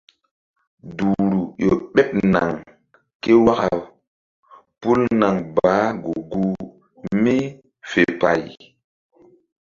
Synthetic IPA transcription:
du˨ɾu˨jo˨ɓɛ˦p̚na˨ŋ | ke˦wa˦ka˨ | pu˦lna˨ŋbaː˨˦ɡu˨ɡu˦ | mi˦ | fe˨pa˨j

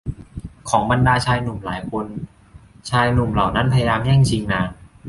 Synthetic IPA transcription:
kʰɔː˩˦ŋba˧ndaː˧t͡ɕʰaː˧jnu˨˩mlaː˩˦jkʰo˧n | t͡ɕʰaː˧jnu˨˩mla˨˩wna˦˥npʰa˧ja˧jaː˧mjɛː˥˩ŋt͡ɕʰi˧ŋnaː˧

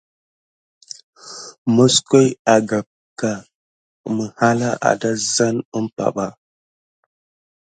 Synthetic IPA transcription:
mo˦sko˦ja˨ɡa˨p̚ | ka˨ | mə˨ha˦la˦ʔa̰˨da˦za˦nə˦mpa̰˨ɓa˦

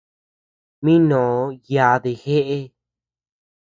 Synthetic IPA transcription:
mĩ˦nõ˨˧˦ja˨ðe˧˨xe˦ʔe˦

